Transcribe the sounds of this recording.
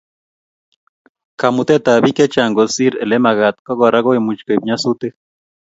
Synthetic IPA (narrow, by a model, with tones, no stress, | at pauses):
ka˨mu˨t̪e˦t̪a˨βi˦ke˦t͡ʃaŋɡo˨si˦ɾe˨le˦ma˨ɣat̪̚ko˦ɣoɾa˦ɣo˦jmut͡ʃko˨b̚ɲa˦su˦t̪e˦